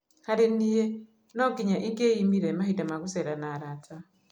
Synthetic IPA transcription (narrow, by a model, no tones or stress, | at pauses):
haɾinije | noɡiɲaʔiŋɡeimiɾemaɦidamakuseɾanaɾata